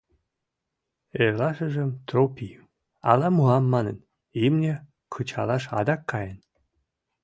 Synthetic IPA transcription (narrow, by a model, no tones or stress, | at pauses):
erlɑʃəʒə̆mt̪ropi | ɑ̰lɑmuɑmːɑnən | imnʲe | kʰɤt͡ɕɑ̰lɑʃɑ̰d̪ɑkːɑjən